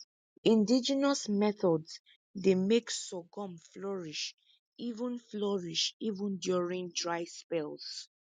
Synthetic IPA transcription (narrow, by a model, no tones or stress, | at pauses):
ĩndid͡ʒinasmɛθɔds | demeksɔɡɔ̃mflɔɹiʃ | ivə̃nflɔɹiʃivə̃ndjuɹĩŋdɹaɪspɛls